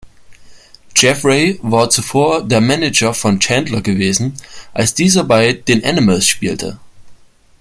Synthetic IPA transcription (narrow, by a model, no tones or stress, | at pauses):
d͡ʒɛfʁeɪvaːɐt͡sufoːɐdeːɐmɛnɪd͡ʒɐfɔnt͡ʃɛndlɐɡəveːzn̩ʔalsd̥iːzɐbaɪd̥eːnʔanɪməlsʃpiːltʰə̰